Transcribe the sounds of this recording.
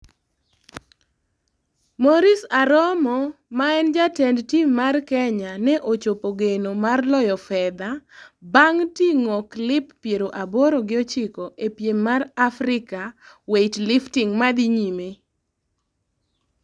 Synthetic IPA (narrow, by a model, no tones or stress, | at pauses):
moɾisaɾɔmɔmaɛnd͡ʒatɛndtimmːarkɛɲanɛʔot͡ʃopoɡenomarlɔjɔfɛd̪abaŋtiŋɔklɪpːjeɾoʔaboɾoɡɪɔt͡ʃɪkoʔepjemːarafɾɪka | wetlɪftɪŋmad̪iɲime